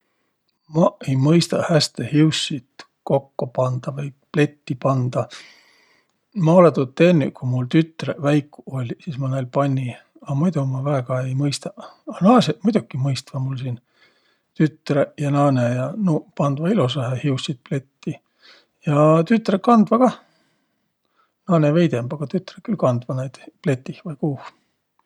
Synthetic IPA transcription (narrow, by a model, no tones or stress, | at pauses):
mɑe̞jmɤjst̪ɑhæst̪ehiusːit̪ | ko̞kːopɑnd̪̥ɑvɤjple̞t̪ːipɑnd̪̥ɑ | mɑolet̪ut̪ːe̞nʲːy̰kumult̪yt̪ːˑrevæjkːˑuo̞lʲsismɑnelpɑnʲːi | ɑmujd̪umɑvæeɡ̥ɑe̞jmɤjst̪ɑɑnɑːsemujd̪ukːˑimɤjst̪vɑmulsin | t̪yt̪ːrejɑnɑːnejɑnupɑnd̪vɑilusɑɦehiusːid̪̥̚ple̞t̪ːi | jɑt̪yt̪ːˑrekɑnd̪̥vɑkɑ | nɑːneve̞jd̪e̞mbɑɡ̥ɑt̪yt̪ːˑrekylkɑnd̪̥vɑnejd̪̥ple̞t̪ːihvɑjkuːh